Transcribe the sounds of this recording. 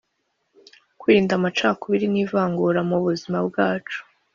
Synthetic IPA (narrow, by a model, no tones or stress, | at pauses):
kwiiiːndamat͡ʃaːkuβiɾiniːvaːŋɡuɾamuβuzimabɡaːt͡ʃu̥